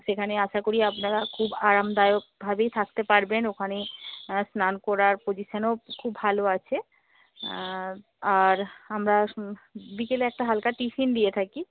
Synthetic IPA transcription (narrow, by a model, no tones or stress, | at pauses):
ʃekʰaneaʃakoɾiapnaɾakʰubaɾamd̪ajok̚bʱabejt̪ʰak̚t̪epaɾbenokʰanesnankɔɾaɾpod͡ʑiʃanokʰubʱaloat͡ɕʰe | aɾamɾa | bikeleɛk̚ʈaɦalkaʈiʃind̪iet̪ʰaki